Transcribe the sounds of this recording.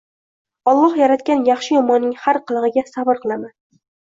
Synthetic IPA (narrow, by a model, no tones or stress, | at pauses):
ɒlˠːɒhjaɾat̪̚kʲanjɑχʃɪjɒmɒnːɪŋhaɾqʰɨlˠʁɨɡʲasabɨɾqʰɨlˠaman